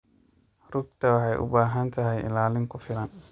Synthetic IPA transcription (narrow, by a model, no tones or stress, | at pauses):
rʊɡt̪ʰɐwɑħɑjʔʊ̰baːɦɐnt̪ʰɐɦɛjɪ̰laːlɪŋkʰʊfɪlɐn